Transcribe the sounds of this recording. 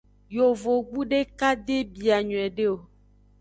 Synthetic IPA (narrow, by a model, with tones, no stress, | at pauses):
jo˨vo˨ɡ͡bu˦ɖe˦ka˦d̪e˦bi˨a˨ɲɔ̃˨ɛ˨ɖe˦o˨